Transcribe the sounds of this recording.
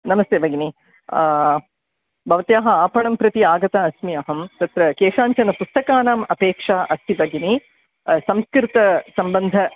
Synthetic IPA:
nɐmɐst̪eːʋɐɡini | bʱɐʋɐt̪jaːɦɐaːpɐɳɐmpɾɐt̪iaːɡɐt̪aɐsmiɐɦɐmt̪ɐt̪ɾɐkeːʂaːɲt͡ʃɐnɐpust̪ɐkaːnaːmɐpeːkʂaːʔɐst̪ʰibɐɡini | sɐmskɾɪt̪ɐsɐmbɐnd̪ʱɐ

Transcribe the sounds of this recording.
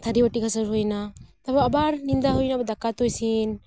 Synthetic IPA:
t̪ʰaɾibaʈikasəɾɦujnat̪abaabaɾnind̪aɦujnabad̪akat̪ujsin

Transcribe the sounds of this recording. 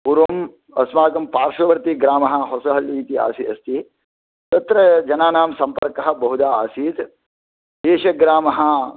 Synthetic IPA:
puɾɐm | ɐ̰smaːkɐmpaːɾʃɐʋɐɾt̪iɡɾaːmɐɦɐ̆ɦosɐɦɐljɐːt̪ia̰ːsiɐst̪i | t̪ɐt̪ɾɐd͡ʒɐnaːnaːmsɐmpɐɾkɐɦɐ̆bɐɦud̪aːaːsiːt̪ | d̪eːʃɐɡɾaːmɐɦɐ̆

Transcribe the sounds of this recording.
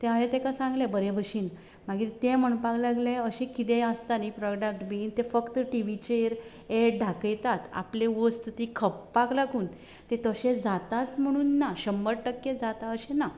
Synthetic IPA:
t̪eaɦet̪ekasãŋɡlebəɾebʱəɕiːn | m̤aɡiːɾt̪ẽm̤əɳpaklaɡleəɕẽkit̪east̪anipɾɔɖək̚ʈbiint̪efəkt̪əʈiʋit͡ɕeɾ | eɖʱakəjt̪at̪a̰pleʋost̪t̪ikʰəpːaklaɡuːn | t̪ẽt̪əɕẽd͡zat̪at͡sm̤əɽ̃uːnːaɕəmbəɽʈəkːjed͡zat̪aəɕẽna

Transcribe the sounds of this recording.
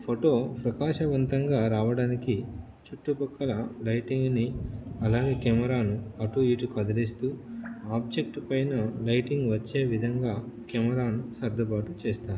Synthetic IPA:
pʰoʈo̞ːpɾɐkaːʂɐʋɐnt̪ɐŋɡaːɾaːʋɐɽaːniki | t͡ʃuʈːupɐkːɐlɐlɐjʈiŋɡniɐlaːɡe̞ːkɛmɐɾaːnuɐʈuiːʈukɐd̪ɐlist̪uːaːb̚d͡ʒe̞k̚ʈpɐjnɐlɐjʈiŋɡʋɐt͡ʃːe̞ːʋid̪ʱɐŋɡaːkɛmɐɾaːnusɐɾd̪ʱɐpaːʈut͡ʃeːst̪aːɾu

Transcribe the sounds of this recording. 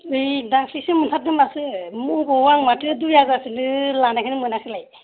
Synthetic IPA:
ɯjdaksisɯmɯtʰat̚dɯmasɯmukɔwaŋmatʰɯdujaɡasɯnɯlanakʰɯnɯmɯnakʰɯlaj

